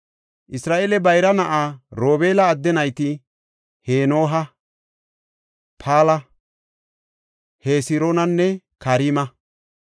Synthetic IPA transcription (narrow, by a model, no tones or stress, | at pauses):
ʔɪsɾaːʔeːlɛbɐjɾɐnɐʔaːɾoːbeːlɐːd̪ːɛnɐjt̪ɪ | heːno̞ːɦɐ | pʰaːlɐ | heːsɪɾoːnɐnːɛ | kɐɾiːmɐ